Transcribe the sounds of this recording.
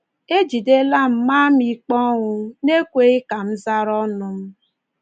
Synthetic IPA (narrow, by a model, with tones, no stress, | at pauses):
e˦d͡ʒi˨de˦la˦m̩˨ma˦mi˨k͡pɔ˦ŋʊ˦ne˦kʷe˨i˦ka˨m̩˦za˦ɾɔ˦nʊ˨m̩˦